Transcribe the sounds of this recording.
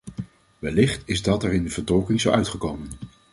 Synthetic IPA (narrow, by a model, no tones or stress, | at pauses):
ʋɛlɪχtɪzdɑtɛɹɪndəv̥əɹdɔlkɪŋzowʔœɥtχəkowmən